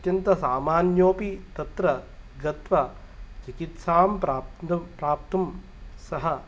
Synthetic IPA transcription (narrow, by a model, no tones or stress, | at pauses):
t̪jɐnt̪ɐsaːmaːnjoːpit̪ɐt̪ɾɐɡɐt̪ʋɐ | t͡ʃikit̪saːmpː | pɾaːp̚t̪um | sɐɦɐ